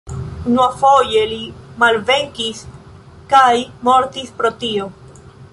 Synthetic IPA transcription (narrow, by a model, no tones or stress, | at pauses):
unuafo̞jelimalve̞ŋkis | kajmo̞ɾt̪ispɾo̞t̪io̞